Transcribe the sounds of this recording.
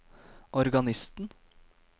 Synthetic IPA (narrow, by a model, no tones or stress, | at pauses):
ʔɔɾɡɑnɪst̪n̩